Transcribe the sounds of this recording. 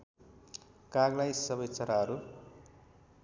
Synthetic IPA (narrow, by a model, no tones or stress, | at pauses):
kaɡlajsʌbʌjt͡sʌɾaɦʌɾu